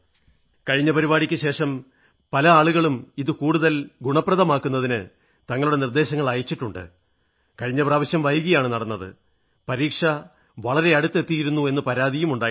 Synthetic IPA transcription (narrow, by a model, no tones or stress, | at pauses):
kɐɻiɲːɐpɐɾibaːɽikʲːɨɕe̞ːʂɐm | pɐlɐaːɭuɣɐɭumiðɨkuːɽuðɐlɡuɳɐpːrɐðɐmaːkːunːɐðinɨ | t̪ɐŋːɐɭuɽe̞nird̪e̞ːɕɐŋːɐɭaːjit͡ɕːiʈːuɳɖɨ̰ | kɐɻiɲːɐpraːʋɐɕjɐmʋɐjuɣɐjaːɳɨnɐɽɐnːɐðɨ̰ | pɐɾiːkʂɐ | ʋɐɭɐɾe̞ɐɽut̪ːe̞t̪ːijiɾunːue̞nːɨpɐɾaːd̪ijumuɳɖaː